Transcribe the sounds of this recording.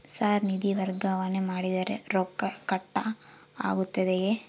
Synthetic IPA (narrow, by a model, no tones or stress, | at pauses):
saːɾnid̪iʋɐɾɡɐʋɐnemaːɽid̪ɐɾḛɾoːkːɐkɐʈːɐ | a̰ːɡut̪ːɐd̪eje